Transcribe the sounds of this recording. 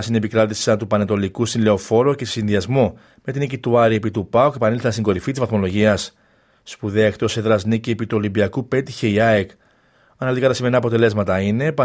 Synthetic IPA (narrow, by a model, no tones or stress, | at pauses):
sine̞pikɾɐt̪isi̥sɐnt̪upɐnet̪o̞likusinle̞o̞fo̞ɾocessinðiɐzmo | me̞t̪inicit̪uɐɾie̞pit̪upɐokepɐnilθɐnst̪iŋɡo̞ɾifit̪izvɐθmo̞lo̞ʝiɐsː | puðe̞ɐe̞kt̪o̞seðɾɐznicie̞pit̪uo̞limbiɐkupe̞t̪içe̞iɐek | ɐnɐlit̪ikɐt̪ɐsime̞nɐpo̞t̪e̞le̞zmɐt̪ɐine̞pɐ